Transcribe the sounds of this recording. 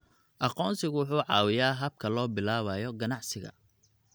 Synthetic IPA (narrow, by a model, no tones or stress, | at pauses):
ʔɑqɔːnsɪɣʊwʊħuːʕɑ̰ːwɪjaːɦɐb̚kʰɐlɔːbɪlaːβɐjɔɡɐnɑʕsɪɣɐ̰